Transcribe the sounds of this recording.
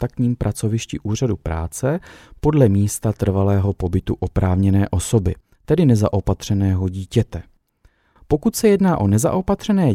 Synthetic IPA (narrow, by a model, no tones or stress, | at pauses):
t̪ak̚t̪ɲiːmpɾʔat͡so̞vɪʃcɪʔuːr̝adupɾa̰ːt͡sɛpo̞dlɛmiːst̪at̪r̩valɛːɦo̞po̞bɪt̪uʔo̞pɾaːvɲɛnɛːʔo̞so̞bɪ | t̪ɛdɪnɛzaʔo̞pat̪r̝̥ɛnɛːɦo̞ɟiːcɛt̪ɛ | po̞kut̪sɛjɛdnaːʔo̞nɛza̰ʔo̞pat̪r̝̥ɛnɛː